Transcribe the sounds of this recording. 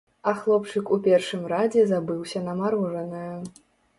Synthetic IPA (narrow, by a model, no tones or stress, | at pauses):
ɐxlˠɔpt͡ʂɨkupʲɛrʂɨmrad͡zʲɛzabɨwsʲɐnɐmaɾɔʐɐnɨjɐ